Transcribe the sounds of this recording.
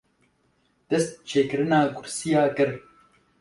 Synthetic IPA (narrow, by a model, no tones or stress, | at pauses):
d̪̥ɨst̪̚t͡ʃʰeːkɨɾɨnaːkʰʊɾsijaːkɨɾ